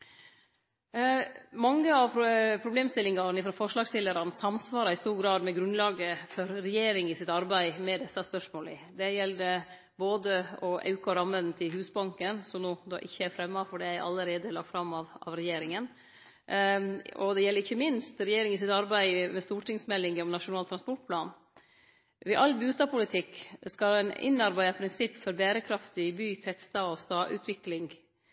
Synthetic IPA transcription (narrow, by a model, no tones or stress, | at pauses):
mɑŋːəɑʋpʰɾʊbleːmst̪ɪlɪŋɑɾnɪfɾɑfɔʂlɑːɡst̪ɪlːəɾɑnsɑmsʋɑːɾɑɪst̪uːɾɡɾɑːd̪mɛɡɾʉnlɑːɡəfɔɾɾɛjeːɾɪŋɪsɪt̪ɑɾbæɪmɛd̪ɛsːɑspœʂmoːlɪ̰d̪ɛjɛlːd̪ɛ | boːd̪əɔʔɑ̰ʉkɑɾɑmːənn̩t̪ʰɪlɦʉːsbɑŋkənsɔmnuːd̪ɑ̰ːʔɪçːəæɾfɾɛmːɑfɔɖɛæɪʔɑ̰ləɾeːd̪əlɑ̰k̚t̪fɾɑmːɑʋɑ̰ʋɾɛjeːɾɪŋən | ɔd̪ɛjɛlːəɾɪçːəmɪnst̪ɾɛjeːɾɪŋɪsɪt̪ɑɾbæɪmɛst̪uːʈɪŋsmɛlːɪŋjɛnɔmnɑʂʊnɑːlt̪ʰɾɑnspɔʈ̚pʰlɑːn | ʋɛʔɑlːbʉːst̪ɑːpʰʊlɪt̪ʰɪkːskɑlɛnɪ̰nːɑɾbæɪd̪ɑpʰɾɪnsɪpːfɔɾbæːɾəkʰɾɑft̪ɪɪbyːt̪ʰɛt̪st̪ɑːɔst̪ɑːʔʉ̰t̪ʰʋɪklɪŋ